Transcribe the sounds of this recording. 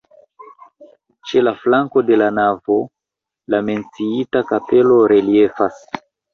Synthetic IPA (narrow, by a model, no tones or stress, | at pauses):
t͡ʃe̞laflaŋko̞de̞lanavo̞ | lame̞nt͡siitakape̞lo̞ɾe̞lie̞fas